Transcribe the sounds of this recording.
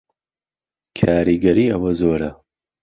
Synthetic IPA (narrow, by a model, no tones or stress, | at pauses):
kʰaːɾiɡɐɾiːɐwɐzoːɾɐ